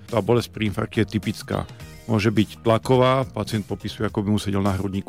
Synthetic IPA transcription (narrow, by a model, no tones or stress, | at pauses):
t̪aːbɔlɛsc̚pɾiinfa̰ɾkcijɛt̪ipit͡ska̰ː | mʊɔʒɛbict̪lakɔʋaːpat͡sɪɛnt̪̚pɔpiːsujɛakɔbimusɛɟɛlnaɦɾɔd̪ɲiːk